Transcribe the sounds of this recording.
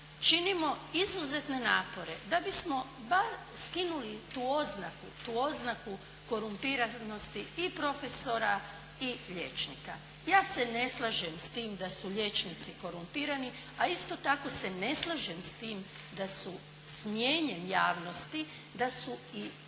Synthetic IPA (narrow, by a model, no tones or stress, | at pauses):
t͡ʃinimo̞izuze̞t̪ne̞naːpo̞ɾe̞d̪abismo̞ | baɾskinulit̪uːo̞znakut̪uːo̞znaku | ko̞ɾumpiɾano̞st̪iipɾo̞fe̞so̞ɾa | iʎe̞t͡ʃnika | jaːse̞ne̞slˠaʒemst̪iːmd̪asuʎe̞t͡ʃnit̪siko̞ɾumpiːɾani | aist̪o̞t̪ako̞se̞ne̞slˠaʒemst̪iːm | d̪asu | smje̞ːɲe̞mjaːʋno̞st̪i | d̪asui